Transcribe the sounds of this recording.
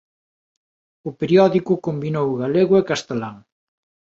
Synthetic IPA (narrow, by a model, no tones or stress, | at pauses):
ʊpeɾjɔðikʊkombinowɣaleɣʊekast̪elaŋ